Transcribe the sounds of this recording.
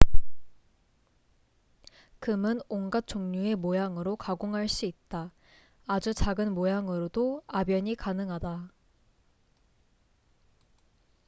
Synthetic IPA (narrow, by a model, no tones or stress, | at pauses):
kɯmɯnoŋɡat̚t͡ɕ͈oŋɲue̞mojaŋɯɾokaɡoŋɦaɭs͈uit̚t͈aː | d͡ʑut͡ɕaɡɯnmojaŋɯɾodoabjʌɲikanɯŋɦada